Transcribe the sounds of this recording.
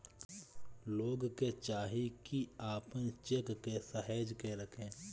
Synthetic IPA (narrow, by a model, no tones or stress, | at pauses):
loːɡket͡ʃaːɦikiaːpənt͡ʃekːesəɦɛːd͡ʒkeɾɐkʰẽː